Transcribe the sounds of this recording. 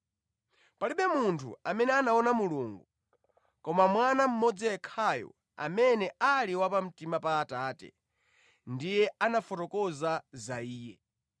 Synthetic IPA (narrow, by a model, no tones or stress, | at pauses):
paliɓɛmuntʰṵamɛnɛanaɔnamuluŋɡu | kɔmamwanam̩mɔd͡ziɛkʰajɔ̰ | a̰mɛnɛaliwapam̩timapaːtaːtɛ̰ | ndijɛanafɔtɔkɔzazaiːjɛ